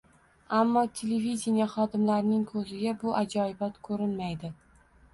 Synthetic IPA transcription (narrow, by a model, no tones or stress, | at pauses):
amːɒt̪ʰe̞levid̪ʲenijaχɒd̪ɪmlaɾnɪŋkʰɵzɪɡʲabʊʔad͡ʒɒɪbat̪kʰɵɾɪnmajd̪ɪ